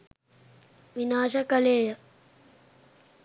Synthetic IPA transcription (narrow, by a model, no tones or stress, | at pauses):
ʋinaːʃəkəleːjə